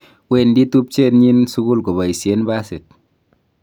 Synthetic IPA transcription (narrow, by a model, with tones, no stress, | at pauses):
we˦˨ndi˦tu˦p̚t͡ʃe˦˨tɲi˦nsu˦ɡu˦lko˨ba˨i˨sje˨˦nba˦se˨t̪̚